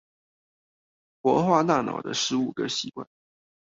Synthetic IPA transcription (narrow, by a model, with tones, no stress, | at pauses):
pwɔ˧˥xwa˥˧na˥˩nɑ̰˨˩ʊd̪ə̰˦ʂɻ̩˧˥u˨˩ɡə˦ɕi˧˥kwa̰˥˩n